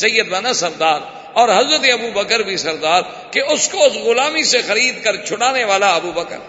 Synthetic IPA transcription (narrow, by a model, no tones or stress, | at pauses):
səjːəd̪ʋaːnãsəɾd̪aːɾ | ɔːɾɦɐzɾət̪̬eɐbubəkəɾbʱisəɾd̪aːɾ | keʊskoʊsɣʊlaːmisexəɾiːd̪kəɾt͡ʃʰʊɽaːneʋaːlaɐbuːbəkə̰ɾ